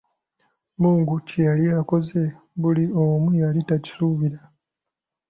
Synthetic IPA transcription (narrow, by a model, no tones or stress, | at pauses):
muːŋɡucejalijako̞ze̞ | βuliomujalitaci̥suβiɾa